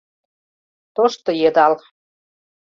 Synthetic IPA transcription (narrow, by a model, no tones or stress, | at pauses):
t̪oʃt̪ŏjĕd̪ɑl